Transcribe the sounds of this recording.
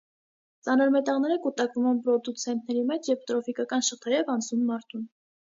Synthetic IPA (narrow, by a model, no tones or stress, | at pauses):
t͡sɑnɔɾmɛt̪ɑʁnɛɾəkut̪ɑkvumɛnpɾɔd̪ut͡sʰɛnt̪̚ʰnɛɾimɛt͡ʃʰjɛvt̪ɾɔfikɑkɑnʃəχt̪ʰɛɾɛvɑnt͡sʰnumːɑɾt̪ʰun